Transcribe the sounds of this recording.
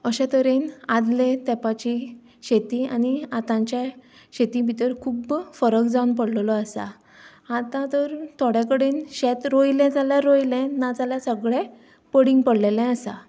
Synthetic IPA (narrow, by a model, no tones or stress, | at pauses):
əɕɛ̃t̪əɾenad̪let̪ɛpat͡ɕi | ɕet̪iañiat̪ãɲt͡ɕja | ɕet̪ĩbʱit̪əɾkʰuːbfəɾəkd͡zaunpəɽllɔəsa̰ | at̪ãt̪əɾt̪ʰoɽjakəɽenɕɛt̪ɾojlɛ̃d͡zaljaɾojlɛ̃nad͡zaljasəɡɭɛ̃ | pəɽiŋɡpəɽlelɛ̃əsa̰